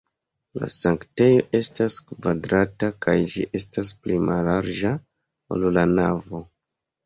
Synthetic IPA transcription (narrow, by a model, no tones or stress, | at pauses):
la̰saŋkte̞jo̞ʔe̞staskvadɾatakajd͡ʒḭʔe̞stas̬plimalaɾd͡ʒa | o̰lulanavo̞